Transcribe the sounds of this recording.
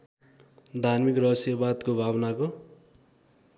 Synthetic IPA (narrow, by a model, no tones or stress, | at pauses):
d̪ʱarmikrʌɦʌsjʌbad̪kobʱabnako